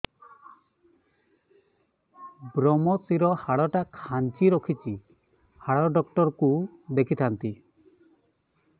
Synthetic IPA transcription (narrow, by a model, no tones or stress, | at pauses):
bɾɔmɔsiɾɔhaɭɔʈakʰant͡ʃiɾɔkʰit͡ʃi | haɭɔɖɔkʈɔɾɔkub̪ekʰit̪ʰant̪i